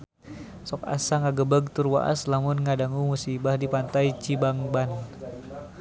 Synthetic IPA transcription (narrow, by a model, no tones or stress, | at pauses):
sɔka̰saŋaɡəbəɡ̚t̪urwa̰ʔa̰slamʊnŋadaŋumusibahdipant̪ait͡ʃibaŋban